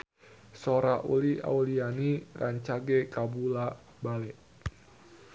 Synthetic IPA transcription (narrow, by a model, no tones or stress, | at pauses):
soɾaʔṵlia̰ulianiraɲt͡ʃaɡekabula | balɛʔ